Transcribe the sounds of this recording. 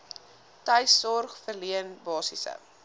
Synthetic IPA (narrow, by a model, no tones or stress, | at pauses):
tɐjsɔrχfərliənbɑːsisə̰